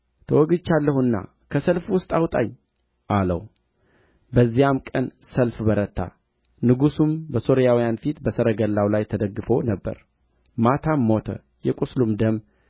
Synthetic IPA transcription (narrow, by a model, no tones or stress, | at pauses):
t̪ʰəwɔɡɨt͡ʃːalːəhuɨnːa̰ | kʰəsəlfwʊst̪ʼawt̪ʼa̰ɲ | ʔalə̰w | bəzːijamkʼənsəlfbəɾət̪ʰːa̰ | nɨɡusumbəso̞ɾijawijanfit̪bəsəɾəɡəlːawlajt̪ʰəd̪əɡːɨfo̞nəbːə̰ɾ | mat̪ʰamːo̞t̪ʰə̰ | jɛkʼuslumd̪əm